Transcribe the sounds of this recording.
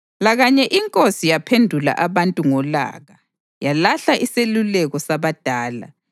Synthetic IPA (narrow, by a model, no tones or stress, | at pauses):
laɣaɲɛʔiŋkʼosijapʰendʱula̰ʔaβantʼuŋɔla̰ːɣa | jalaɬaʔiselulɛɣɔsaβad̥ʱaːla̰